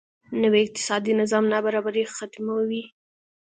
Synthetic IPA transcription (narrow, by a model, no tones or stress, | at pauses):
nəweɪq̚t̪ɪ̥sɑd̪inɪzɑmnabaɾɑbaɾixat̪mawwi